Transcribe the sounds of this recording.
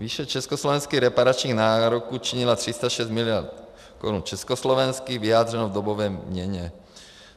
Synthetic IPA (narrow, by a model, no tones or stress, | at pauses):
viːʃɛt͡ʃɛskoslɔvɛnskiːɣɾɛpaɾat͡ʃɲiːɣnaːɾokuːt͡ʃiɲilat̪r̥ist̪aʃɛst̪milɪjaɾt̪ | kɔɾunt͡ʃɛskoslɔʋɛnskiːɣvijaːd̪rɛnovd̪obovɛːmɲɛɲɛ